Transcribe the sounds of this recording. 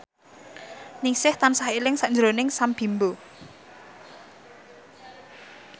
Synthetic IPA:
niŋsɪht̪ansahilɪŋsaʔɲd͡ʒɾonɪŋsamb̥i̤mbo

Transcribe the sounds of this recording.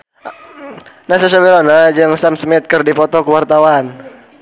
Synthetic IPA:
nahsasawelɔnad͡ʒaŋsamsəmɛt̪̚kərdipɔt̪ɔkuwart̪awan

